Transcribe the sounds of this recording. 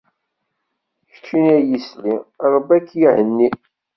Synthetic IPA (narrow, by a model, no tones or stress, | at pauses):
çə̥t͡ʃːinæjisliɾˤəbækːjihənːi